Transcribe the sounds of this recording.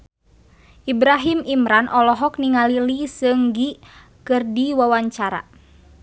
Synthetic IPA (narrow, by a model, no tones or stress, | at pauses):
ʔibɾaɦimimɾanʔɔlɔɦɔkniŋalilisɨŋɡi | kɨrdiwawaɲt͡ʃaɾa̰